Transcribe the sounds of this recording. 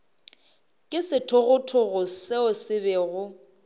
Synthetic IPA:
kʼɪsɪtʰʊɣʊtʰʊɣʊseʊsɪbɛɣʊ

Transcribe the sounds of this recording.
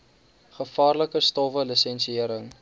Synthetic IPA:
χəfɑːrləkəstɔvəlisɛnsiiəɾəŋ

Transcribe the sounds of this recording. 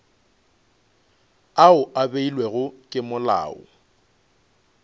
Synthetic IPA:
aʊʔabeilwɛɣʊkʼɪmʊla̰ːʊ̰

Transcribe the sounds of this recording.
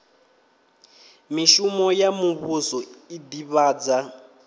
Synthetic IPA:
miʃumɔjamuβusɔidiβaːd͡za

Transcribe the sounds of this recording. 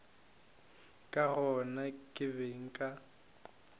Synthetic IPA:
kʼaɣɔnakʼɪβeŋ̩kʼa

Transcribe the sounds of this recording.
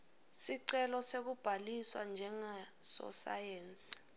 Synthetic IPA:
siǀɛlɔsek̬ub̥ʱaliswa̰nd͡ʒʱɛŋasɔ̰sa̰jeːnsʼii̥

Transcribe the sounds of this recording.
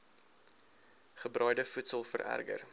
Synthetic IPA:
χəbrœɥdəfutsəlˠfə̰ɾæ̰rɡə̰r

